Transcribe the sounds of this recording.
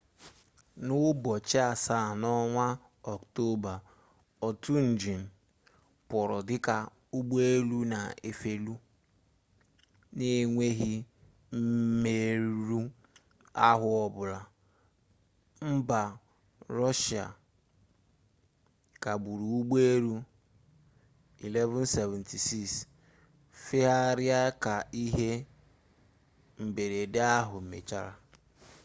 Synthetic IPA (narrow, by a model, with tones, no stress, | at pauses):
nʊ˦bɔ˨t͡ʃɪ˦a˨sa˦˨nɔ˦ŋʷa˦ | ɔ˨kto˦ba˨ | ɔ˨tu˦n̩˨d͡ʒi˨n̩˨ | pʊ˨ɾɔ˨dɪ˦ka˨ | u˦ɡ͡bo˦e˦lu˦na˨e˨fe˦lu˦ | ne˦ŋʷe˦ɦi˦ | m̩˦me˨ɾu˦ | a˦ɦʊ˨ɔ˨bʊ˨la˨ | m̩˦ba˨ | ɾɔ˦ʃa̰˨ | ka˨bu˨ɾu˨u˦ɡ͡be˦ɾu˦ | i˨le˦vʊ˦n̩˦se˨vɛ̃˨ntʰi˨si˦˨ks | fɪ˦ɦa˦ɾɪ˦a˦ka˨i˦ɦe˦ | m̩˨be˨ɾe˨de˦a˦ɦʊ˨m̩˨mḛ˨t͡ʃa˦ɾa˨